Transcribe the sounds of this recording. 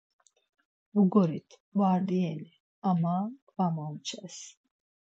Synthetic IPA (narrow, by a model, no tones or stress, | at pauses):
vɡɔɾit̪ʰ | vaɾd̪iɛli | amakʼvamaut͡ʃʰɛs